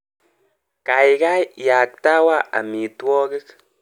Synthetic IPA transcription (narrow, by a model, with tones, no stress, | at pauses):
ka˨jɡa˦jja˨k̚t̪a˦wa˦ʔa̰˨mi˨t̪wɔ˦ɣi˦k